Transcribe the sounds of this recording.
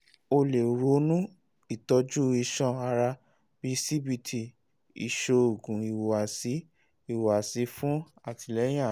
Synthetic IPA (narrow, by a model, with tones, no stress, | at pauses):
o˧le˨ɾo˧˦nũ˦ | i˦˨tɔ˧d͡ʒu˦i˧ʃɔ̃˦a˧ɾa˧ | b̥i˦si˦bi˧tʰi˨ | ḭ˨ʃo˧o˨ɡũ˨i˨wo˨a˨si˨˦ | i˦˨wa˨si˧˦fũ˦a˦˨ti˨lɛ˨˦j̃ã˦˨